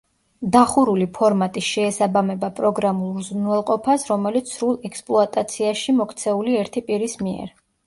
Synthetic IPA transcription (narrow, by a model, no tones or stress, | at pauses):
d̪aχuɾulipʰɔɾmat̪ʼiʃɛːsabamɛbapʼɾɔɡɾamulˠɾzunɛlˠqʼɔpʰasɾɔmɛlit̪sʰɾulˠɛkspʼlˠɔat̪ʼat̪sʰiaʃimɔkʰt̪sʰɛuliɛɾt̪ʰipʼiɾismiɛ̰ɾ